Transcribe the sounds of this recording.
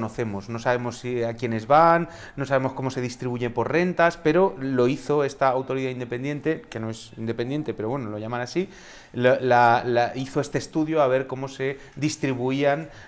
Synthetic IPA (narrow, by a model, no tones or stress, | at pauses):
no̞θe̞mozno̞saβ̞e̞mo̞siakje̞ne̞zβanː | o̞saβe̞mo̞sko̞mo̞se̞ð̞ist̪ɾiβuʝepo̞ɾre̞nt̪aspe̞ɾo̞lo̞iθo̞e̞st̪aːwt̪o̞ɾiðaind̪e̞pe̞nd̪je̞nt̪e̞ke̞no̞e̞sind̪e̞pe̞nd̪je̞nt̪e̞pe̞ɾowe̞nolo̞ʝamanasi | llalaiθo̞e̞st̪e̞ːst̪uðjoaβ̞e̞ɾko̞mo̞se̞ | d̪ist̪ɾiβuian